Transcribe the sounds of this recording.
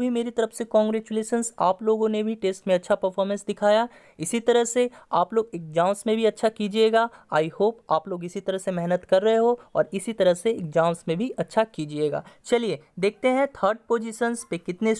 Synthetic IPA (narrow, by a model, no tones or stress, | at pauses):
bʱimeːɾit̪ɐɾəfsekɔ̃ːŋɡɾeːt͡ʃuleːʃənsaːploːɡõnebʱiʈeːsʈmẽɐtːʃʰapɐɾfʰɔːɾmə̃nsd̪ɪkʰaːja | ɪsit̪ɐɾəɦseaːploːɡɪk̚d͡ʒãːʊ̃nsmẽbʱiɐtːʃʰakid͡ʒeːɡaːaːihoːpaːploːɡɪsit̪ɐɾəɦsemɛɦnət̪kɐɾːɐɦeɦoɔ̰ːɾɪsit̪ɐɾəɦseɪk̚d͡ʒãːʊnsmẽbʱiʔɐtːʃʰakid͡ʒieːɡa̰ːt͡ʃɐlied̪eːk̚ʰt̪eɦɛ̃t̪ʰəːɾɖ̚poːd͡ʒɪʃənspekɪt̪ne